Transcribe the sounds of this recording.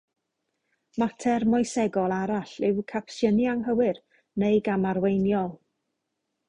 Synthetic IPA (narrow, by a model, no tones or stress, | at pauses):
matʰɛrmɔjsɛɡɔlˠaɾaɬɪwkʰapsjənjaŋɦəwɨr | nejɡamarwejnjɔlˠ